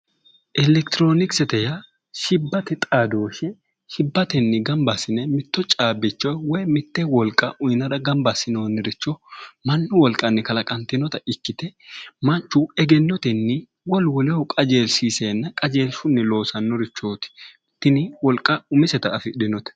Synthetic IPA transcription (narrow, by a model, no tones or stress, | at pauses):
ʔɛlɛkt̪ɾoːnɪksɛt̪ɛjɐ | ʃɪbːɐt̪ɪt̪ʼaːd̪o̞ːʃɛ | ʃɪbːɐt̪ɛnːɪɡɐmbasɪnɛmɪt̪ːɔt͡ʃʼaːbɪt͡ʃːɔjwɔjmɪt̪ːɛwɔlkʼːɐʔʊjnɐd̪ɐɡɐmbɐsːɪnoːnːɪɾɪt͡ʃːɔmɐnːʊwɔlkʼːɐnːɪkɐlɐkʼɐnt̪ɪnɔt̪ɐɪkːɪt̪ɛmɐnt͡ʃːʊɛɡɛnːɔt̪ɛnːɪ | wɔlwɔlɛwɔkʼɐd͡ʒeːlsiːseːnːɐkʼɐd͡ʒe̞ːlsʊnːɪlo̞ːsɐnːɔɾɪt͡ʃːo̞ːt̪ɪ̥ | t̪ːɪnɪwɔlkʼːɐʊmɪsɛt̪ɐːfɪɗɪnɔt̪ɛ̥